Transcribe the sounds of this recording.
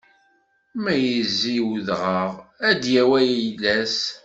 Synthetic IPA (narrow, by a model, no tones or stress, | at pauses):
mæjəzːiwðʁəʁæd̪jæwæjlæs